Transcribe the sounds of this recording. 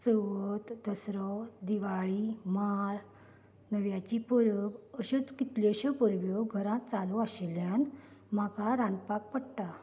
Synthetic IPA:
səʋət̪d̪əsɾɔd̪iʋaɭimaɭ | nəʋjat͡ɕipəɾəbəɕet͡skit̪leɕəpəɾʋjɔɡʱəɾãt̪̚t͡saluaɕeljanm̤akaɾãnpak̚pəɽʈa

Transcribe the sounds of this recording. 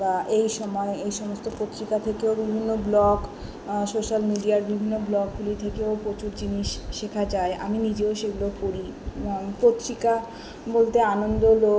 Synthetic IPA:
baʔejʃɔmɔeejʃɔmost̪opot̪ːɾikat̪ʰekeobibʱinːoblɔɡ | soʃalmiɖiaɾbibʱinːoblɔɡɡulit̪ʰekeopɾot͡ɕuɾd͡ʑiniʃʃekʰad͡ʑaeʔa̰minid͡ʑeoʃeɡulokoɾipot̪ːɾika | bolt̪eanond̪olo

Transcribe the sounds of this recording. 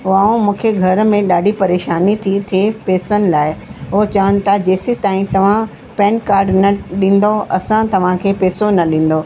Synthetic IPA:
ʊaːũmũːkʰeɡʱɐɾ̆mẽɗaːɖʱipɐɾeːʃaːnit̪ʰit̪ʰiepeːsənɪ̆laːɪɦʊɦt͡ɕɐʋənɪ̆t̪ʰad͡ʑeːsit̪aːĩt̪ɐʋ̤ã | pɛ̃ːɳʈkaːɾɖnɐɗĩːn̆d̪oɐsãt̪ɐʋ̤ãkʰeːpeːsonɐɗĩːn̆d̪o

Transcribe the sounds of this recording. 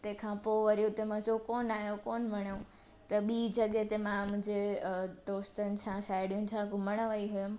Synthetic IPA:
t̪ẽːkʰãpoʋəɾijũt̪ẽmãsokoːnaːɦjokoːnmɐɽ̃õ | t̪ɐɓiːd͡ʑɐɠet̪emãmʊ̃ɦd͡ʑed̪oːst̪ənɪ̆sʰãsaːɪɽjũnt͡ɕʰãkũmɐɽ̃əʋəiɦujəm̆

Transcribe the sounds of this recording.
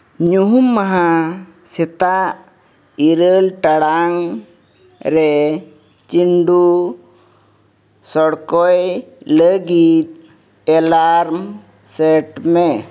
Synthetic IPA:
ɲuɦumːaɦa | sɛt̪aʔ | iɾəlʈaɽaŋ | ɾɛ | t͡ʃiɳɖu | sɔɽkɔjləɡit̪̚ | ɛlaɾm | sɛʈmɛ

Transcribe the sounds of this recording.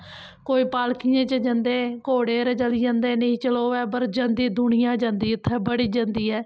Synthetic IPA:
koːiːpaːlkɪjãːt͡ʃəd͡ʒãnd̪ẽːkoːɽeːɾəd͡ʒəliːd͡ʒãːnd̪ẽːnəĩːt͡ʃəloːɛːbəɾd͡ʒãːnd̪iːd̪ʊnɪjãːd͡ʒãːnd̪iːɪt̪ʰːɛːbəɽiːd͡ʒãːnd̪iːɛː

